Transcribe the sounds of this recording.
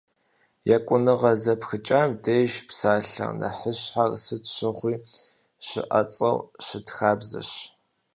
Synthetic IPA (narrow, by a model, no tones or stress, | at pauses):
jɛkʷʼʊnɨʁɐzɐpxɨt͡ʃʼaːmdeːjʒpsaːɬɐ̰nɐ̰ħəɕħarsɨtɕɨʁʷiː | ɕɪ̰ʔɐ̰t͡sʼɐwɕɪtxaːbzɐ̰ɕ